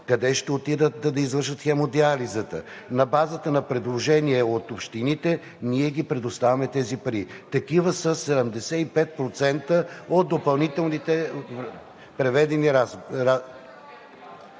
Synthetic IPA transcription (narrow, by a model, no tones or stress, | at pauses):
kɐd̪ɛʃt̪ɛot̪id̪ət̪d̪ɐd̪ɐizvəɾʃət̪xɛmod̪ializət̪ə̰nɐbazət̪ənɐpɾɛd̪lˠoʒɛniɛot̪opʃt̪init̪ɛ | niɛɡipɾɛd̪ʊst̪avɐmɛt̪ɛzipɐɾit̪ɐkivəsəsɛd̪ɛmd̪ɛsɛipɛt̪̚pɾot̪sɛnt̪əot̪̚d̪opɐlˠnit̪ɛlˠnit̪ɛ | pɾɛvɛd̪ɛniɾaɾa